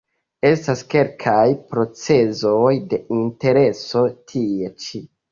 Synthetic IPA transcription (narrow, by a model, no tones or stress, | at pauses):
e̞staske̞lkʰajpɾo̞t͡se̞zojde̞inte̞ɾe̞so̞tʰie̞t͡ʃi